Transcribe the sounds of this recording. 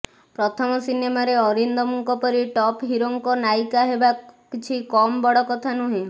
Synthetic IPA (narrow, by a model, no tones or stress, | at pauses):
pɾɔt̪ʰɔmɔsinemaɾeɔɾind̪ɔmuŋkɔpɔɾiʈɔpɦiɾoŋkɔnajkaɦebakit͡ʃʰikɔmbɔɽɔkɔt̪ʰanuɦĩ